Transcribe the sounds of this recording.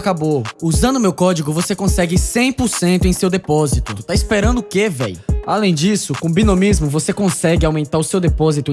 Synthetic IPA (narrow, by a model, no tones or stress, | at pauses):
kabouzɐ̃nd̪ʊmewkɔd͡ʒiɡʊvosekõsɛɡɪsẽj̃pʊɾsẽnt̪ʊẽj̃sewd̪epɔzit̪ʊt̪aispeɾɐ̃nd̪ʊʊkevɛ̰jʊalẽj̃d͡ʒisʊkõbĩnõmizmʊvosekõsɛɡɪawmẽnt̪aɾʊsewd̪epɔzit̪ʊ